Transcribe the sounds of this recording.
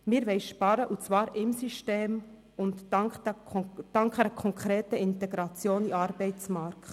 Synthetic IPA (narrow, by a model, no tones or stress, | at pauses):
mɪːɾʋɛɪʃpɑɾəʔut͡svɑːɾɪmsyʃteːm | ʊntɑŋk | d̥ɑŋkɛnəkʰɔŋkʰɾeːtəɪntɛɡɾɑt͡sjoːniɑːɾbɛɪt͡smɑɾkt